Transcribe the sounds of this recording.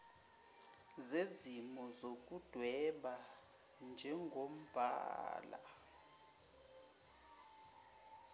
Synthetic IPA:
zezimɔzok̬ʼud̥ʱwɛɓa | nd͡ʒʱɛŋɡʱom̩b̥ʱa̰ːla̰

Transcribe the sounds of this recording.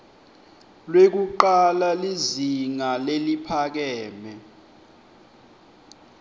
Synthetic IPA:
lwek̬uǃalaliziŋalelipʰak̬ɛːmɛ

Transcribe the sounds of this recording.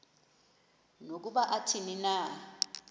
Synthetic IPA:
nok̬uɓaʔatʰinina

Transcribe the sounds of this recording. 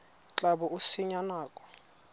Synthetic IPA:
t͡ɬʼabɔʔusiɲanaːkʼɔ̥

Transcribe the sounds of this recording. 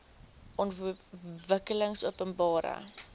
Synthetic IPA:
ɔntvəkələŋsupənbɑːɾə̰

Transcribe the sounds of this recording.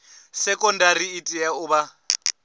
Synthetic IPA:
sɛkʼɔndaɾiːtʼijaʊba

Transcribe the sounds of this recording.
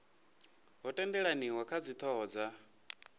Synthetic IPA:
ɦɔtʼɛndɛɺaniwakʰad͡zit̪ʰɔːd͡za

